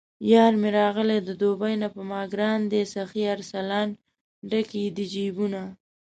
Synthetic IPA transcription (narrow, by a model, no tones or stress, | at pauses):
jɑːɾmeɾɑɣəled̪əd̪obajnapəmɑɡɾɑnd̪esaxiaɾsalɑn | ɖakid̪id͡ʒibuna